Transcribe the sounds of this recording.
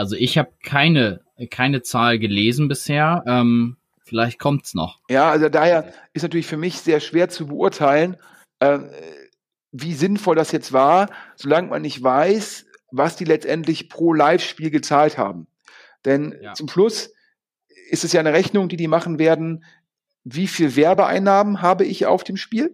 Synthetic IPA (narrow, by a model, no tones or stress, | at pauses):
ʔalzoʔɪçhaːbəkʰaɪnə | kʰaɪnət͡saːlɡəleːzn̩bɪsheːɐʔɛːm | fɪlaɪçt̚kʰɔmtsnɔ̰χjaːalzdaːheːɐʔɪstnatʰyɐlɪçfyːɐmɪçz̥eːɐʃv̥eːɐt͡subəʔʊɐtʰaɪlən | ʔɛːm | viːzɪnfɔldasjɛt͡stv̥aːɐz̥olaŋma̰nːɪçtv̥aɪs | vasd̥iːlɛt͡stʔɛntlɪçpʁ̥oːlaɪfʃpiːlɡət͡saːltha̰ːb̚m̩ | d̥ɛnt͡sʊmʃlʊs | ʔɪstɛsjaːnəʁɛçnʊŋdiːdiːmaχn̩veːɐdn̩ | viːfiːlvɛɐbəʔa̰ɪnːaːmənɦaːbəɪça̰ʊfd̥eːmʃpiːl